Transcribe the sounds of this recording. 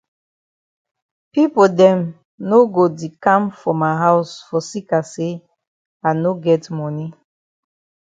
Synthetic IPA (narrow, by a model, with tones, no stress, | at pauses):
pi˦po˨dɛ̃˨m | no˦ɡo˨di˨kã˦mfɹɔ̃˨mːa˨ɦa˦ʊsfɔ˨si˦ka˨se˦ | a˨ɪno˦ɡɛ˦tmɔ˦ni˦